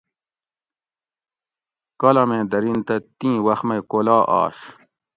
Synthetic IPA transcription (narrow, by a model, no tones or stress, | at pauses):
kɐlɐmẽːd̪ɐɾint̪ɐt̪ĩːwɐxmɐjkolaːʔa̰ːɕ